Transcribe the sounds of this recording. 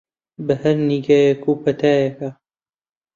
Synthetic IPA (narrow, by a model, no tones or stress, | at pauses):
bɐhɐɾniːɡaːjɛkʰuːpɐt̪ʰaːjɐka